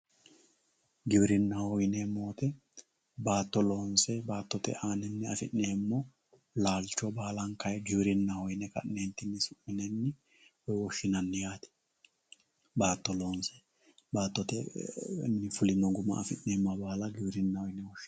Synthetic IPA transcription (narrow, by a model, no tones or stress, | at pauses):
ɡɪbɪɾɪnːɐhɔjnemoːt̪ɛ | baːt̪ːɔlo̞ːnsɛbaːt̪ːɔt̪ɛ̰ʔaːnɛnːɪɐfɪnːeːmːɔ | laːlt͡ʃːɔbaːlɐŋkɐjɛɡɪbɪɾɪnːɐhɔjnɛkɐ̰ʔneːnt̪ːɪnːɪsʊʔːɪnɛnːɪ | wɔjwɔʃːɪnɐnːɪjaːt̪ɛ̥ | baːt̪ːɔlo̞ːnsɛ̥ | baːt̪ːɔt̪ɛ̰ | nːɪfʊlɪnɔɡʊmɐ̰ɐfɪnːeːmːɐbaːlɐɡɪbɾɪnːɐhɔjnɛwɔʃːɪ